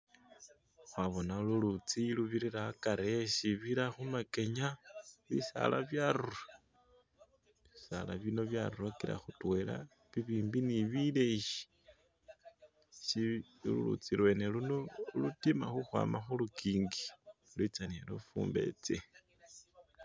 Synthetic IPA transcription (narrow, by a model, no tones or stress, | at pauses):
xwaβonalulut͡siluβiɾiɾaːkaɾeʃiβiɾaxumake̞ɲaβisa̰la̰βjaɾuɾa | isala̰βino̞βjaruɾakiɾa̰xutwe̞la̰ | βiβiːmbiniβileʃi̥ | ʃi | lṵlṵt͡siɾwe̞neluno̞lutima̰xuxwa̰ːmaxulukiːŋɡilwit͡sanielufṵːmbe̞̰t͡se